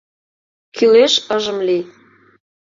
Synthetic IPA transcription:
kʰyleʃə̆ʒə̆mli

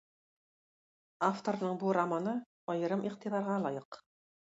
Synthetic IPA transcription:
aft̪oɾnɤɴbuɾamanɤ | ɒjɤ̆ɾɤmʔiqt̪iðɑɾʁɑlˠɑjɤq

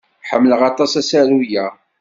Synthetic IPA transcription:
ħəmːləʁɑt̪ˤɑsæsæɾujæ

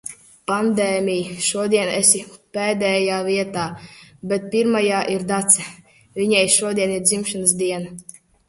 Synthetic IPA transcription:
pand̪ɛːmʲijʃuɔd̪iɛnɛsʲipɛːd̪ɛːjaːvʲiɛt̪aːbɛt̪̚pʲiɾmajaːʔiɾd̪at̪sɛ | vʲiɲajʃuɔd̪ʲiɛniɾd̪zimʃanɨs̬d̪iɛna

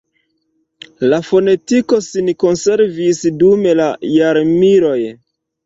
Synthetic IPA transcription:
lafo̞ne̞tiko̞sinko̞nse̞ɾvisdume̞lajaɾmiɾo̞j

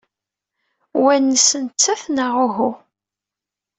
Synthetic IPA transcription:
wænːəsənt͡sːæθnəʁʊɦu

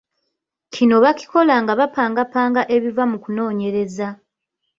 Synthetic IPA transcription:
cʰino̞βaci̥ko̞laŋɡaβapaːŋɡapaːŋɡaʔe̞βivamukuno̞ːɲe̞ɾe̞za

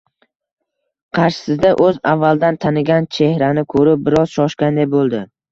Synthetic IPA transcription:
qʰɑɾʃɪ̥sɪzd̪aʔɵzavːalˠd̪ant̪ʰanɪɡʲant͡ʃʰehɾanɪkʰɵɾɪp̚bɪɾɒz̥ʃɒʃkʲand̪ajbolˠd̪ɪ

